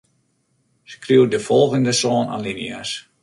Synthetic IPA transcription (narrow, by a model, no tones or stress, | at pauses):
skriwdəfɔlˠɣəndəsɔːna̰nlinia̰s